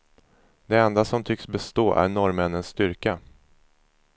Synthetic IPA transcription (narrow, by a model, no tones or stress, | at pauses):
d̪ɛɛnd̪asɔmt̪ʰʏksbɛst̪oːʔæ̰ɾɳɔɾmɛnːənst̪ʏɾka